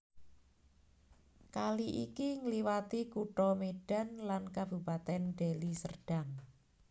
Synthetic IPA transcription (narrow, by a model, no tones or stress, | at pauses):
kaliʔḭkiŋəliwat̪ikuʈɔmeɖ̥a̤nlankab̥ṳpat̪ɛnɖ̥elisərɖ̥a̤ŋ